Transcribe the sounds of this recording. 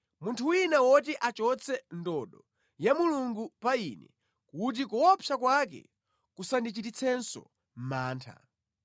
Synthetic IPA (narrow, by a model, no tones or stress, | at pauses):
muntʰuwinawɔt̬iʔat͡ʃɔt͡sʰɛndɔɗɔ | jamuluŋɡupainɛ | kut̬ikuwɔpʰjakwakɛ̰ | kusandit͡ʃitit͡sʰɛnsɔ̰ | m̩maːntʰa̰